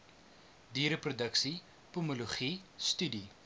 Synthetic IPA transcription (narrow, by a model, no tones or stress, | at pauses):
diːɾəprudəksi | pumuluχistydi